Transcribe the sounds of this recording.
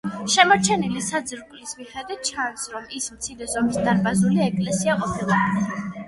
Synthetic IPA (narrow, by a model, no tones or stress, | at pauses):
ʃɛmɔɾt͡ʃʰɛnilisad̪zɾpʼlismiχɛd̪wit̪̚t͡ʃʰansɾɔmismt̪sʰiɾɛzɔmisd̪aɾbazuliɛkʼlɛsiaqʼɔpʰilˠab